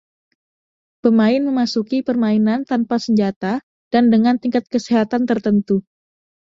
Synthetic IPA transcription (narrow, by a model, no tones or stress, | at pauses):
pəmaɪnməmasukipərmainant̪anpasəɲd͡ʒat̪a | d̥andəŋant̪iŋkat̪̚kəsiɦat̪ant̪ərt̪ənt̪u